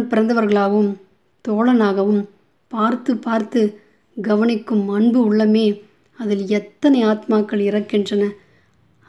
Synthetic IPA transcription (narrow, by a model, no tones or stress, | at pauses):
pɪɾɐnd̪ɐʋɐɾɣɐɭaːɣɐʋɯm | t̪oːɭɐnaːɣɐʋɯm | paːɾt̪ɯpaːɾt̪ɯ | ɡɐʋɐnɪkːɯmːɐnbɯʊɭːɐmeː | ɐðɪlɛt̪ːɐnɐɪaːt̪maːkːɐɭɪrɐkːɪndrɐnɐ